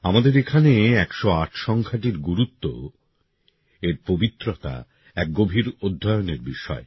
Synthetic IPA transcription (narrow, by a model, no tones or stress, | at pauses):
amad̪eɾekʰaneɛkʃoaʈʰʃɔŋkʰaʈiɾɡuɾut̪ːo̰ | eɾpobit̪ːɾot̪a̰ | ɛk̚ɡobʱiɾod̪ʱːajoneɾbiʃɔ̰e